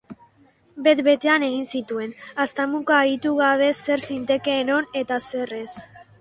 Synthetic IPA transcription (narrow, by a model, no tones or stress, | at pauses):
be̞t̪be̞t̪e̞ane̞ɣinsit̪ue̞nast̪amukaːɾit̪uɣaβ̞e̞se̞ɾsint̪e̞ke̞ːno̞ne̞t̪ase̞re̞s